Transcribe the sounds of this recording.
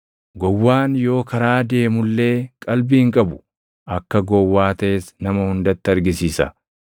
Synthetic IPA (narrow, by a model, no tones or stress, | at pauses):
ɡɔwːaːnjo̞ːkɐɾaːd̪e̞ːmʊlːe̞ːkʼɐlbiːɪŋkʼɐbʊ̥ | ʔɐkːɐɡɔwːaːt̪ɐʔesnɐmɐhʊnd̪ɐt̪ːɪɐɾɡɪsiːsɐ̰